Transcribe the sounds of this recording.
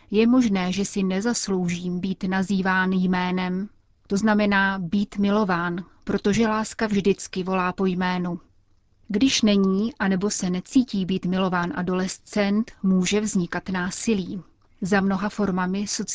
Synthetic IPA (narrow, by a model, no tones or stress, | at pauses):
jɛmo̞ʒnɛːʒɛsɪnɛzaslo̞wʒiːmbiːt̪naziːvaːnjmɛːnɛm | t̪o̞znamɛnaːbiːt̪mɪlo̞vaːnpɾo̞t̪o̞ʒɛlaːskavʒdɪt͡skɪvo̞laːpo̞jmɛːnu | ɡdɪʃnɛɲiːʔanɛbo̞sɛnɛt͡siːciːbiːt̪mɪlo̞vaːnʔa̰do̞lɛst͡sɛnt̪muːʒɛvzɲɪkat̪naːsɪliː | zamno̞ɦafo̞ɾmamɪso̞t͡s